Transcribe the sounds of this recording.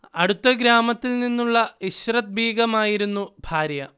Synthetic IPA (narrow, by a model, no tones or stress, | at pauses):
ɐɽut̪ːɐɡɾaːmɐt̪ːilninːuɭːɐiɕrɐt̪̚biːɡɐmaːjiɾunːubʱaːɾjɐ